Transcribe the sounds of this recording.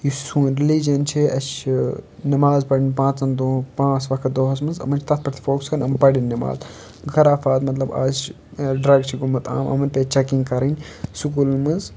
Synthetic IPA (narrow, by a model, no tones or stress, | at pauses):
jusuːnɾilid͡ʒɐnt͡ʃʰiʔɐʃ | nɐmaːzpɐɽinʲpãːt͡sɐnd̪opãːt͡sʋɐkʰɐt̪̚d̪oːɦɐs̬mɨnzɐ̰mɐnt͡ʃʰt̪ɐt̪̚ʰpɐʈt̪i̥foːkskɐnɐmpɐɽinʲːima̰ːz | ɡʱɐɾaːfaːt̪mɐt̪lɐba̰ːt͡ʃ | ɖɾɐɡt͡ʃʰiɡumɐt̪ʰa̰ːmɐ̰mɐnpeːt͡ʃɐkĩŋɡkɐɾɐnʲsukulnmɨnz